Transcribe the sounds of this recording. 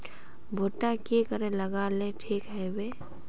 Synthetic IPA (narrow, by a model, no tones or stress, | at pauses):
bʱoːʈakikəɾẽləɡaːleʈʰiːkɦɛwe